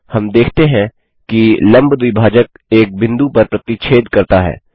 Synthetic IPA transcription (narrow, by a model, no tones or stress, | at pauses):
hɐmd̪eːkʰt̪eɦɛ̃ | kilɐ̃mbd̪uibʱaːd͡ʒək̚ | eːk̚bɪ̃nd̪upɐɾpɾɐt̪it͡ʃʰeːd̪kɐɾt̪aɦɛ̰ː